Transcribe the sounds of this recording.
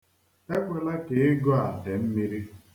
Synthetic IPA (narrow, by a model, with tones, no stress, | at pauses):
e˦k͡pʷe˨la˦ke˨ɪ˦ɡɔ˦a˨de˨m̩˦mi˦ɾi˦